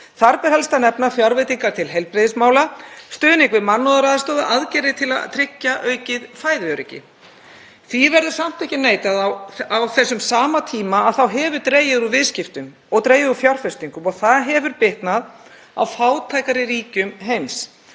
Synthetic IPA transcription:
θaɾpɛɾ̥hɛlst̪anɛpnafjaɾvɪt̪iŋkaɾ̥t̪ʰɪlɦɛlpɾɪðɪsmaːwlast̪œːðnɪŋkvɪðmanːɔðaɾaːðast̪ɔːðʏʔaðcɛːɾɪt̪ʰɪla̰ðt̪ʰɾɪcːaʔœɥcɪðfaːjðvjœɾɪcɪ̰ | θivɛɾðʏ̥sam̥t̪ɛhcːɪneːjt̪aðawawθɛsːʏmsaːmat̪ʰiːmaːðθawɦɛvʏɾt̪ɾeːjɪðuvɪðscɪft̪ʏm | ɔɣt̪ɾeːjɪðufjar̥fɛst̪iŋkʏmɔɣθaðɦɛvʏɾpɪht̪nað | a̰wfaːwt̪ʰaːjkaɾɪɾiːcʏmɦejms

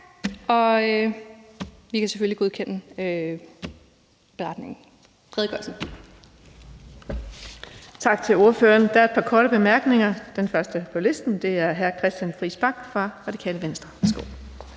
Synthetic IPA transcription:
ɒ̽ø | ʋikʰæseføliɡ̥o̝ðˠkʰen̰əø | b̥e̝ʁɑ̈d̥ne̝ŋn̩ | fʰɛðˠɡ̥ɒ̽sn̩ | t͡sʰɑ̈ɡ̥t͡sʰe̝lo̝ɐfø̰ːɐnd̥ææɐed̥̚pʰɑ̈kʰɒːɾ̥əb̥e̝mæɐɡ̥ne̝ŋɐd̥enfɶɐsd̥əpʰɒ̽le̝sd̥n̩d̥e̝æɐɦæɐkʰʁɛsd̥jænfʁḭːsb̥ɑ̈ɡ̥fʁɑ̈ʁɑ̈d̥i̥kʰɛ̰ːləʋensd̥ʁɐʋæɐsɡ̥o̝̰ː

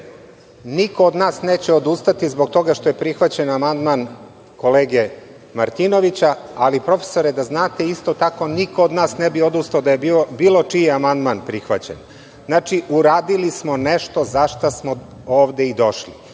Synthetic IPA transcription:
niko̞ːd̪naːsneːt͡ɕeod̪ust̪at̪izbo̞k̚t̪o̞ɡaʃt̪o̞je̞pɾixʋat͡ɕenamand̪man | ko̞leːɡe | maɾt̪ino̞ʋit͡ɕaalipɾo̞fe̥so̞ɾed̪aznaːt̪e̞ist̪o̞t̪ako̞nikood̪naːsnebiod̪ust̪aod̪ajebiobiːlo̞t͡ʂijeamand̪manpɾixʋat͡ɕḛn | znaːt͡ʃiʔuɾaːd̪ilismo̞neʃt̪o̞zaʃt̪asmo | oːʋd̪eid̪o̞ʃlḭ

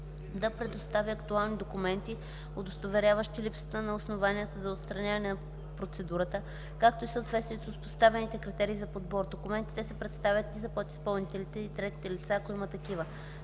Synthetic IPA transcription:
d̪ɐpɾɛd̪ost̪avʲiɐkt̪ualˠnid̪okumɛnt̪i | od̪ost̪ovɛɾʲjavəʃt̪ilipsə̥t̪ənɐosnovaniət̪əzɐot̪st̪ɾɐnʲavɐnɛnɐ | pɾot̪sɛd̪uɾət̪ə | kakt̪oisəot̪vɛt̪st̪viɛsospo̥st̪avɛnit̪ɛkɾit̪ɛɾiːzɐpod̪bɔɾd̪okumɛnt̪i̥t̪ɛsɛpɾɛt̪st̪avʲjət̪izɐpɔt̪i̥spɐlˠnit̪ɛlit̪ɛit̪ɾɛt̪i̥t̪ɛlit̪sakoimət̪ɐkivə

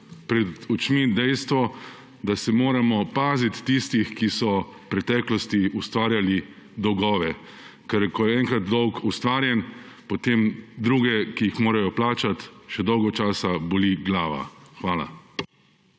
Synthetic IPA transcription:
pɾɛd̪ut͡ʃmid̪ɛjst̪ʋɔ | d̪asɛmoːɾamɔpaːzit̪ːist̪ixkisɔ | pɾɛt̪ɛːklɔst̪iust̪ʋaːɾjali | d̪ɔwɡɔːʋɛ | kɛɾkɔjɛɛŋkɾat̪d̪ɔwkust̪ʋaːɾjɛn | pɔt̪eːmd̪ɾuːɡɛkiixmoːɾajɔplaːt͡ʃat̪ʃɛd̪ɔwɡɔt͡ʃaːsaboliɡlaːʋa̰xʋaːla̰

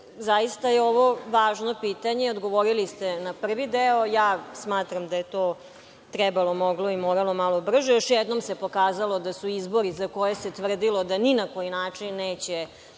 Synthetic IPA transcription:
zajist̪ajeo̞ʋo̞ʋaːʒnopiːt̪aɲeod̪ɡoʋoɾilist̪enapr̩ʋid̪eojaːsmaːt̪ɾamd̪ajet̪oː | t̪ɾɛbalˠomoɡloimoːɾalo̞malˠobr̩ʒejoʃjɛd̪nomse̞po̞kaːzalˠod̪asuizbo̞ɾizako̞jese̞t̪ʋr̩d̪ilo̞d̪aninako̞jinaːt͡ʂinːeːt͡ɕe

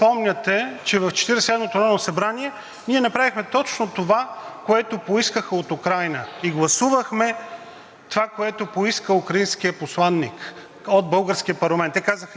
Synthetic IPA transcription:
pɔmnʲət̪ɛt͡ʃɛvɐft͡ʃɛ̥t̪iɾɛsɛd̪mot̪oɾɔnɐsɐbɾaniɛ | niɛnɐpɾavixmɛt̪ɔt͡ʃnot̪ovakoɛt̪opoiskəxəot̪ukɾajnəiɡlˠɐsuvəxmɛ | t̪ovakoɛt̪opoiskəukɾɐinskijəposlˠanːik | od̪̚bɤlˠɡəɾsk̟ijəpɐɾlˠɐmɛnt̪ɛkazəx

